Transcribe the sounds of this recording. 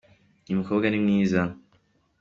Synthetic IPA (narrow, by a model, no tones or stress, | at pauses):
nimuko̞ːbɡanimŋiːza